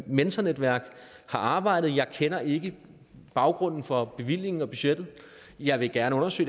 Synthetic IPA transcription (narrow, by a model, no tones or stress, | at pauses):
mensʰɐned̥ʋæɐ̰ɡ̥hɑ̈ʔɑ̈ːb̥ɑ̈ɪ̰d̥ð̩ˠjɑ̈ɪkʰenɐʔe̝ɡ̥ə | b̥ɑ̈ʊɡ̥ʁɔ̽n̰n̩fɒ̽b̥e̝ʋil̰je̝ŋn̩ɒ̽b̥yɕed̥ð̩ˠ | jɑ̈ɪʋe̝ɡ̥æɐnəɔ̽nɐsø̰ː